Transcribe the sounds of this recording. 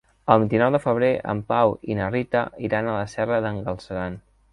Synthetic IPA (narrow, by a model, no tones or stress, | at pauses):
əlˠβint̪inɔwðəfəβ̞ɾeʔə̰mpawinərit̪əiɾanələsɛrəðəŋɡəlˠsəɾan